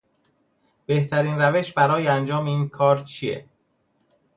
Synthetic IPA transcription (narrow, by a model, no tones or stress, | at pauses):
b̥e̞ht̪ʰæɾiːnɾæveʃbæɾɒːjeænd͡ʒɒːmeiːnkʰɒːɾt̪t͡ʃʰijḛ